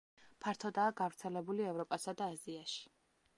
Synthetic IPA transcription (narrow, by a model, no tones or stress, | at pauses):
pʰaɾt̪ʰɔd̪aːɡavɾt̪sʰɛlɛbuliɛvɾɔpʼasad̪aːziaʃi̥